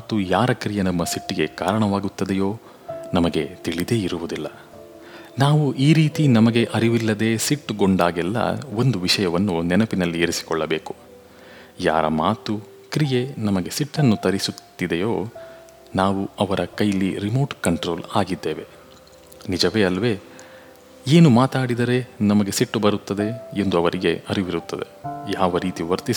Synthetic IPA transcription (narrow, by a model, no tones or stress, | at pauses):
maːt̪ujaːɾɐkɾijenɐmːɐsiʈːiɡe̞kaːɾɐɳɐʋaːɡut̪ːɐd̪ejoː | nɐmɐɡe̞t̪iɭid̪e̞ːiɾuʋud̪ilːɐ | naːʋuʔiːɾiːt̪inɐmɐɡe̞ʔɐɾiʋilːɐd̪e̞ːsiʈːɡoɳɖaːɡɛlːɐ̰o̞nd̪uʋiʂɐjɐʋɐnːunɛnɐpinɐlːieɾisi̥kɔɭːɐbeːku̥ | ja̰ːɾɐ̰maːt̪u | kɾije̞nɐmɐɡe̞siʈːɐnːut̪ɐɾisut̪ːid̪ejoː | naːʋuɐʋɐɾʔɐkɐjɐlːiɾimoːʈkɐɳʈɾo̞ːlaːɡid̪ːeːʋe̞̰ | nid͡ʒɐʋeːɐlʋe̞ː | eːnumaːt̪aːɽid̪ɐɾe̞nɐmɐɡe̞siʈːubɐɾut̪ːɐd̪e̞end̪uɐʋɐɾiɡe̞ʔɐɾiʋiɾut̪ːɐd̪e̞̰jaːʋɐɾiːt̪iʋɐɾt̪is